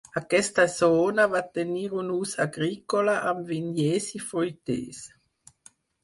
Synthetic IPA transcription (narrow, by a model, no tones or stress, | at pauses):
akɛst̪azoːnavat̪eniːɾunuːsaɡɾikolaʔamvinjɛsifojt̪ḛːs